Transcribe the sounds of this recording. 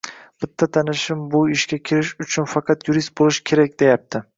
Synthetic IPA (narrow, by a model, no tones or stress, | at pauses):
b̥ɪt̪ʰːat̪ʰanɪʃɪmbʊɪʃkʲakʲʰɪɾɪʃʊt͡ʃʰʊnfɑqʰɑt̪juɾist̪̚bolˠɪʃkʲʰe̞ɾak̚ʲd̪e̞jap̚t̪ʰɪ